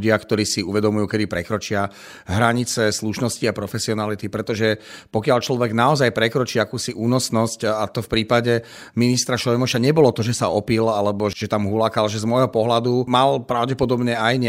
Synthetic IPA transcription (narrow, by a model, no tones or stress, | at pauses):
ɟɪakt̪ɔɾiːsiuʋɛd̪ɔmujuːkɛd̪ipɾɛkɾɔt͡ʃɪa | ɦɾaɲit͡sɛsluʃnɔsciapɾɔfɛsiɔnalit̪ipɾɛt̪ɔʒɛpɔkɪalt͡ʃlɔʋɛɡnaɔzajpɾɛkɾɔt͡ʃiːakuːsiʔuːnɔsnɔscat̪ɔfpɾiːpaɟɛ | minist̪ɾaʃɔjmɔʃaɲɛbɔlɔt̪ɔʒɛsaɔpilalɛbɔʒ̥ɛt̪amɦulakalʒɛzmɔjɦɔpɔɦlad̪umalpɾaʊɟɛpɔd̪ɔbɲɛajɲ